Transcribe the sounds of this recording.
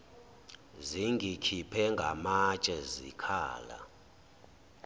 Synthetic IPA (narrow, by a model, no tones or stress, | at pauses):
ziŋɡʱikʰipʰɛŋɡʱamat͡ʃʼɛzḭkʰa̰ːla̰